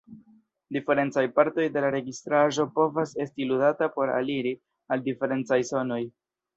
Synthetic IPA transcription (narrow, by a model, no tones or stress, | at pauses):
dife̞ɾe̞nt͡sajpaɾto̞jde̞laɾe̞ɡistɾaʒo̞po̞vase̞stiludatapo̞ɾa̰liɾi | aldife̞ɾe̞nt͡sajso̞no̞j